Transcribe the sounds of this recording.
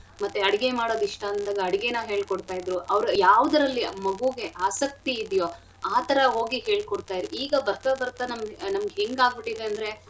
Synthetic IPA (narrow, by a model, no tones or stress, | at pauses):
mɐt̪ːeɐɽiɡe̞maːɽo̞ːd̪iʂʈɐːnd̪aːɡɐɐɽiɡe̞nɐɦe̞ːɭkɔɽt̪aːjid̪ɾuʔɐʋɾujaːʋɐd̪ɐɾɐlːimɐɡuɡe̞ʔaːsɐk̚t̪iːd̪jo | aːt̪ɐɾɐɦo̞ːɡiɦe̞ːɭkoɽt̪aːj̪ɾuiːɡɐbɐɾt̪abɐɾt̪ɐnɐmnɐmɡeɦeŋɡaːɡbiʈid̪eɐnd̪ɾe̞